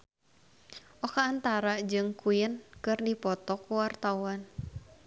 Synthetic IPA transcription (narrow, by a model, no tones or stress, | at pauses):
ʔɔkaːnt̪aɾad͡ʒɨŋkuɪnkɨrdipɔt̪ɔkuwart̪awan